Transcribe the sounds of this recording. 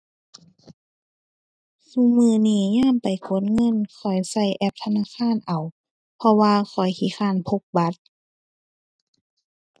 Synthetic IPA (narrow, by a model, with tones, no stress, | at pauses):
su˧˨mɯː˧˩niː˧˩ɲaː˧˥˨mpa˨˩jkʰo˧˦nŋɤ˧˥˨nkʰɔ˨˩jsa˧˩jʔɛ˧p̚t̪ʰa˧naː˧˥˨xʰaː˧˥˨nʔa˨˩w | pʰɔ˧waː˧xʰɔ˨˩jkʰiː˧˩˦xaː˧˥˨npʰo˧k̚ba˧˦t̪̚